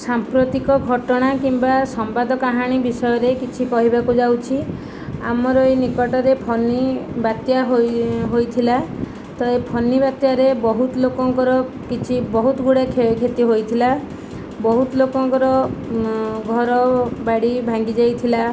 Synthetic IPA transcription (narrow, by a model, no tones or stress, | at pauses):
sampɾot̪ikɔɡʱɔʈɔɽ̃akimbasɔmbad̪ʱɔkaɦaɽ̃ibisɔjɔɾekit͡ʃʰikɔɦibakud͡ʒawt͡ʃʰi | a̰mɔɾɔjnikɔʈɔɾepʰɔnibat̪jaɦoɦojt̪ʰila | t̪ɔepʰɔnibat̪jaɾebɔɦut̪lokɔŋkɔɾɔ | kit͡ʃʰibɔɦut̪ɔɡuɽakʰekʰet̪iɦojt̪ʰila | bɔɦut̪ɔlokɔŋkɔɾɔ | ɡʱɔɾɔbaɽibʱaŋɡid͡ʒajt̪ʰila